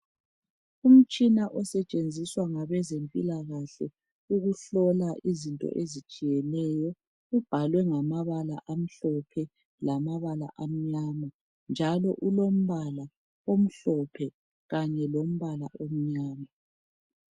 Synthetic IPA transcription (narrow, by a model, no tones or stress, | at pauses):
um̩t͡ʃʼinaʔɔsɛt͡ʃʼend͡zʱiswaŋaβɛzempʼḭlaɣaɬɛ | uɣuɬɔlaʔizintʼɔ̰ʔezit͡ʃʼijɛnɛjɔ | ub̥ʱalwɛŋamaβala̰ʔam̩ɬɔpʰɛ | lamaβala̰ʔam̩ɲaːma | nd͡ʒʱalɔʔulom̩βala | om̩ɬɔpʰɛ | ɣaɲɛlom̩βalaʔom̩ɲaːma